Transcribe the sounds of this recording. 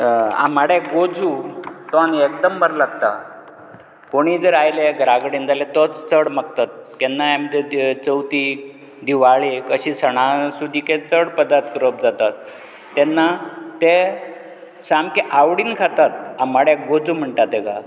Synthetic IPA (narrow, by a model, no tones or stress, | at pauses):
a̰maɽjeɡod͡zut̪ɔaniekd̪əmbəɾlaɡt̪a̰ | koɽ̃id͡zəɾajleɡɾaɡɽind͡zalet̪ɔt͡st͡səɽməkt̪at̪̚kɛnːajam̤əd̪ʱet͡səwt̪i | d̪iʋaɭikəɕiːsəɽ̃asud̪ʱːikẽt͡səɽpəd̪at̪kəɾəp̚d͡zat̪at̪ː | ɛnːat̪e | samkeʔaʋɽiːnkʰat̪at̪̚amaɽjaɡod͡zum̤əɳʈat̪eɡa